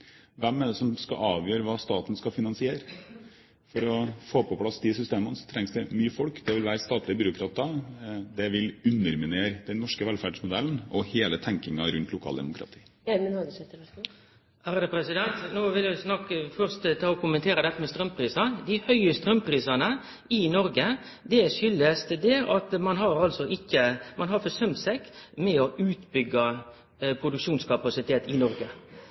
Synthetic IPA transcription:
ʋɛmːæd̪ɛsɔmskɑ̰ʔɑːʋjøːɾəʋɑːst̪ɑːt̪nskɑfɪnɑnsɪeːɾə | fɔɾɔfoːpʰɔpʰlɑsd̪ɪsʏst̪eːmənəsɔ̥t̪ʰɾɛŋsd̪ɛmyːəfɔlkd̪ɛʋɪlʋæːɾəst̪ɑːt̪lɪəbʏɾʊkʰɾɑːt̪ɑd̪ɛʋɪlʉnːəɾmɪneːɾd̪ɛnːɔʂkəʋɛlfæɖʂmʊd̪ɛln̩ɔheːlət̪ʰɛŋkɪŋɑɾʉnt̪lʊkʰɑ̰ːld̪ɛ̰mʊ̰kʰɾɑ̰t̪ʰi̥ː | mənhɑd̪sɛt̪ | æːɾd̪ɛpʰɾɛsɪd̪ɛnt̪noːʋɪljʊɪsnɑkːəfœɾst̪t̪ʰɑɔkʰʊmənt̪ʰeːɾəd̪ɛt̪ːəmɛst̪ɾœmpʰɾiːsɑd̪ɪhœʏəst̪ɾœmpʰɾiːsɑnə | ɪnɔɾɡə | d̪ɛʂʏlːəst̪d̪ɛɑt̪mɑnɦɑɾɑlsɔʔɪkːəmɑnɦɑɾfɔsœmsɛkmɛɔʔʉːt̪bʏɡːə | pʰɾʊd̪ʉkʂuːnskʰɑpɑsɪt̪ʰeːt̪ɪnɔɾɡə

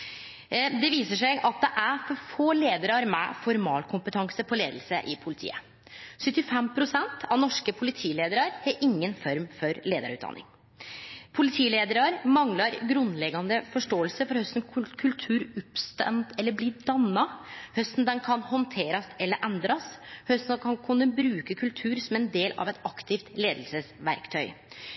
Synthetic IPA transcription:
d̪ɛʋiːsəʂɛɪɡɑt̪̚d̪ɛʔæfɔɾfoːleːd̪əɾɑɾmɛ̰fɔɾmɑːlkʰʊmpət̪ʰɑŋsəpʰɔleːd̪əl̩səʔɪpʰʊlɪt̪ʰḭːə | sʏt̪ːɪfɛmpʰɾʊsɛnt̪ʰɑʋnɔʂkəpʰʊlɪt̪ʰiːleːd̪əɾɑɾhɛɾʔɪŋːənfɔɾmfɔɾleːd̪ɑ̰ɾʉ̰t̪̚ɑ̰nʔɪ̰ŋ | pʰʊlɪt̪ʰiːleːd̪əɾɑɾmɑŋlɑɾɡɾʉnd̪lɛɡɑnd̪əfɔʂʈoːəlsəfɔɾhœst̪n̩kʰkʰʉlt̪ʰʉːɾʉpst̪ɛ̰nt̪ɛlːəbliːd̪ɑnːɑhœst̪n̩d̪ɛnkʰɑnhɔnt̪ʰeːɾɑsɛlːəɾʔɛnd̪ɾɑshœst̪nkʰɑnkʰʉnd̪əbɾʉːkəkʰʉlt̪ʰʉːɾsɔmɛnd̪eːlɑ̰ʋɛt̪ɑkt̪ʰɪft̪leːd̪lsəsʋæ̰ɾkt̪ʰœʏ

